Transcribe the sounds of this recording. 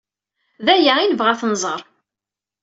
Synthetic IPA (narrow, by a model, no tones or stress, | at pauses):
ðæjainəvʁaθənzˤəɾˤ